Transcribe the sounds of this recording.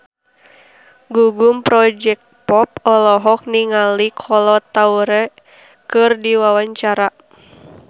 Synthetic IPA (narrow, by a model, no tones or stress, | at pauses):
ɡuɡumpɾɔd͡ʒɛk̚pɔp̚ɔlɔɦɔk̚niŋalikʰɔlɔt̪auɾɛ | kɨrdiwawaɲt͡ʃaɾa